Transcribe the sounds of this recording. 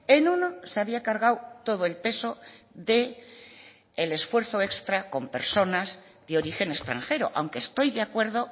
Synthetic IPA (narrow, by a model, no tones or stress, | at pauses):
e̞nũno̞seaβiakaɾɣawt̪o̞ð̞oe̞lpe̞so̞ðe̞ | le̞sfwe̞ɾθo̞e̞kst̪ɾako̞mpe̞ɾso̞naz | ðeo̞ɾixe̞ne̞st̪ɾa̰ŋxe̞ɾo̞̰ʔa̰wŋke̞st̪o̞jðeakwe̞ɾðo̞